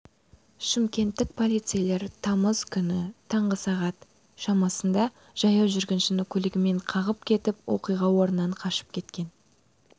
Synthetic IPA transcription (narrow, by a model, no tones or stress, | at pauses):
ʃɪmkʲe̞nt̪ːɪk̚pʰo̞lˠijt̪sɨjlˠe̞ɾt̪ʰɑməz̥kʲʰʏnɪt̪ʰɑɴʁəsɑʁɑt̪ | ʃɑmɑsənd̪ɑ | ʒ̥ɑjɑwʒʏɾɡʲɪnʃɪnɪkʲʰɵlɪɡʲɪme̞ɴqʰɑʁəp̚kʲʰe̞t̪ɪpwo̞̰qijʁɑwo̞ɾənːɑɴqʰɑʃə̥p̚kʲʰe̞t̪kʲe̞n